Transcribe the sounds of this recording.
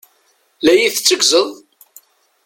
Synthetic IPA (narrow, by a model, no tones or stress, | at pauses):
læjiθt͡sːəɡzəðˤ